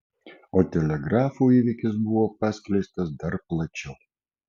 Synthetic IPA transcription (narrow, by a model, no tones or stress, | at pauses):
oːt̪ʲɛlʲɛɡɾɑːfuːiːʋʲɪkʲɪsbʊʋoːpɑsʲkʲlʲɛɪst̪ɐsd̪ɐɾplˠɐt͡ʃʲɛʊ